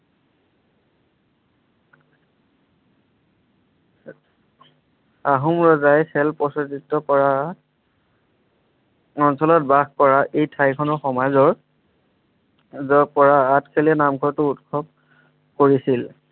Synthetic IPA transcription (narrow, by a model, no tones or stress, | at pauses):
aɦumɹɔzajsɛlpɔsɔtitːɔkɔɹa | ɔnsɔlɔt̚baxkɔɹaʔejtʰajkʰɔnɔɹxɔmazɔɹ | zɔpɔɹaːtkʰelɛnamɡʰʱɔɹtʊutkʰɔb̚ | koɹisil